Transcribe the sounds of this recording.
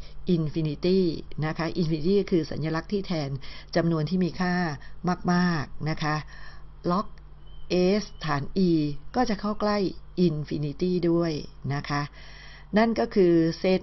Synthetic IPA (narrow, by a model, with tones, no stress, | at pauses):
ʔi˧nfi˧ni˦˥t̪iː˥˩na˦˥kʰa˦˥ʔi˧nfi˧ni˧˥t̪iː˥˩kʰɯː˧sa̰˩˦njaː˧la˦˥k̚t̪ʰiː˥˩t̪ʰɛː˧nt͡ɕa˧mnu˧ənt̪ʰiː˥˩miː˧kʰaː˥˩maː˥˩k̚maː˥˩k̚na˦˥kʰa˦˥ʔ | lɔ˦˥k̚ | ʔeː˦˥st̪ʰaː˩˦nʔiː˧kɔː˥˩t͡ɕa˨˩ʔkʰa˥˩wkla˥˩jʔi˧nfi˧ni˦˥t̪iː˥˩du˥˩əjna˦˥kʰa˦˥ʔ | na˥˩nkɔː˥˩kʰɯː˧se˦˥t̪̚